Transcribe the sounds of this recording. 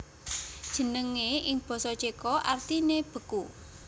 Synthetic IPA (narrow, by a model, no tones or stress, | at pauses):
d̥ʒ̥ə̤nəŋeʔɪŋb̥ɔ̤sɔt͡ʃekɔʔart̪ineb̥ə̤ku